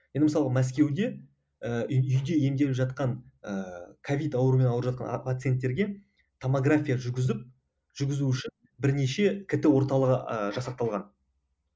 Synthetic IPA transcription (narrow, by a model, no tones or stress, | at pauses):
jend̪ɪməsɑlˠəʁɑmæs̬kʲe̞wd̪e̞ | əʏjd̪e̞je̞md̪elɪpʒɑt̪̚qɑnəkʰovʲijt̪ɑwəɾume̞nɑwɾəɾʒɑt̪qɑnpʰat̪sɨijent̪ːe̞ɾɡʲe̞ | t̪ʰomoɡrafʲijaʒʏɡʲɪzɪp̚ | ʒ̥ʏɾɡʲɪzuʏʃɪn | bɪɾne̞ʃe̞kʲʰɪt̪ɪwo̞ɾt̪ɑlˠəʁəəʒɑsɑqt̪ɑlˠʁɑn